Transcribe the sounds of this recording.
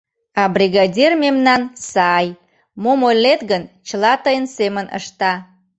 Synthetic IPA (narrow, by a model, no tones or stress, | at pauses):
ɑbrʲiɣɑdʲermemnɑnsɑj | momolːet̪ɣənt͡ɕəlɑt̪əjənsemənə̰ʃt̪ɑ